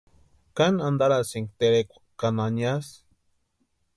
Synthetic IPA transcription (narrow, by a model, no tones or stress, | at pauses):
kanand̪aɾasiŋkt̪eɾekʷḁkananias